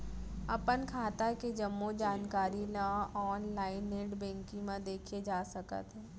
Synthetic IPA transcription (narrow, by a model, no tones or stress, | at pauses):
ɐ̰pənkʰaːt̪aked͡ʒɐmːod͡ʒaːnkaːɾinãɔːnlaːɪneʈbɛ̃ːŋkɪ̃mãd̪eːkʰied͡ʒaːsɐkə̰t̪ɦɛː